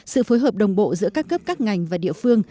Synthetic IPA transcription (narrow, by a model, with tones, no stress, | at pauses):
sɨ̰˧˨foː˨˦jɦəː˨˩p̚ɗə˨˩wŋ͡mɓo̰˧˨zɨ̰˧˥əkaː˦˥kːə˦˥p̚kaː˦˥k̚ŋa˨˩jŋ̟vaː˨˩ɗḭ˧˨əfɨ˧əŋ